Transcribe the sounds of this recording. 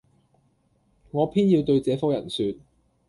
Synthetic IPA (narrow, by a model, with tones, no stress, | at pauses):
ŋɔː˨˧pʰiː˥njiː˧wt̪ɵ˧ɥt͡sɛː˨˧˥fɔ˥wjɐ˨˩nsyː˧t̚